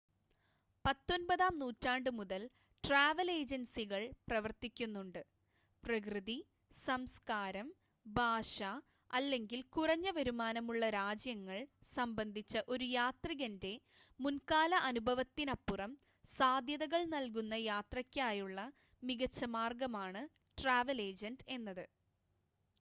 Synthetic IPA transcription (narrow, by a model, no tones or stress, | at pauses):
pɐt̪ːonbɐðaːmnuːtːaːɳɖɨmuðɐl | ʈraːʋɐle̞ːd͡ʑɐnsiɣɐɭprɐʋɐrt̪ikʲːunːuɳɖɨ | prɐkrɨði | sɐmskaːɾɐm | bʱaːʂa | ɐlːe̞ŋɡilkurɐɲːɐʋɐɾumaːnɐmuɭːɐɾaːd͡ʑjɐŋːɐɭsɐmbɐnd̪ʱit͡ɕːɐʔo̞ɾujaːt̪riɣɐnde̞ | munkaːlɐʔɐnubʱɐʋɐt̪ːinɐpːurɐm | saːd̪ʱjɐðɐɣɐɭnɐlkunːɐjaːt̪rɐkʲːaːjuɭːɐ | miɣɐt͡ɕːɐmaːrɡɐmaːɳɨ | ʈraːʋɐle̞ːd͡ʑɐnde̞nːɐðɨ